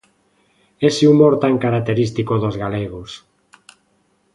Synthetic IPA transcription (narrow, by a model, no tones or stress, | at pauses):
eseumoɾt̪aŋkaɾak̚t̪eɾist̪ikoðozɣaleɣ̞os